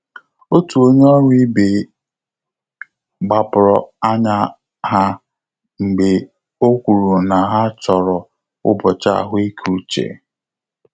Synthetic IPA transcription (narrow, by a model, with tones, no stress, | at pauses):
o˦tu˨o˦ɲe˦ɔ˦ɾʷi˦be˨ | ɡ͡ba˨pʊ˨ɾɔ̰˨a˦ɲa˦ | ɦa˦ | ŋ͡m̩˨ɡ͡be˨ | o˦kʷu˨ɾu˨na˨ɦa˦t͡ʃɔ˨ɾɔ˨ | ʊ̰˦bɔ˨t͡ʃa̰˦a˨ɦʊ˦e˦kʰu˦t͡ʃḛ˨